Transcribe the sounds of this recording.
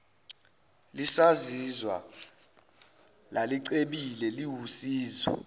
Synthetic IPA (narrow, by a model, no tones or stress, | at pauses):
lisazizwa̰ | laliǀeɓilɛliwusiːzɔ̰